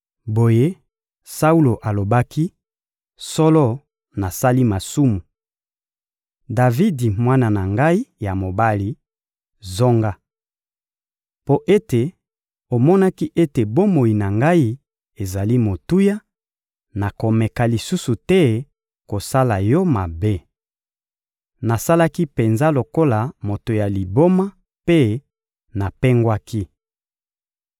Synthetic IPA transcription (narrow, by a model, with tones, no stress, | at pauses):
bo˨je˦ | sa˦u˦lo˨ʔa˨lo˨ba˦kʰi˦ | sɔ˦lɔ˦ | na˨sa˦li˦ma˨su˦mu˨ | da˨vi˦di˨mwa˦na˨na˨ŋɡa˦i˦ja˨mo˨ba˦li˨ | zo˦ŋɡa˦ | po˦ʔe˦te˨ | o˨mɔ˦na˦ki˦ʔe˦te˨bo˦mo˨i˨na˨ŋɡa˦i˦ | e˨za˨li˦mo˨tu˦ja˦ | na˨ko˨mɛ˨ka˨li˨su˦su˨tɛ˦ | ko˨sa˦la˨jɔ˦ma˨be˦ | na˨sa˦la˦ki˦pe˨nza˦lo˨ko˦la˨mo˨to˨ja˨li˨bo˦ma˦ | pe˦ | na˨pɛ˦ŋɡwa˦ki˦